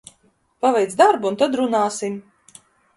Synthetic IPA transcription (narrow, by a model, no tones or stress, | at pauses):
pavɛjt̪sd̪aɾbuunt̪ad̪ɾunaːsim